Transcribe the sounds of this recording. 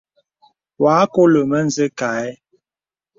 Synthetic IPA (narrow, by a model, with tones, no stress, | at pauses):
waː˨˦ko˦lə˨mə˦n̩˨zə˦ka˨ɛ˦